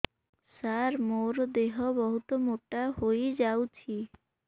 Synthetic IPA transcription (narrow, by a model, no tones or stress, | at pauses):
saɾmoɾd̪eɦɔbɔɦut̪ɔmoʈahojd͡ʒawt͡ʃʰi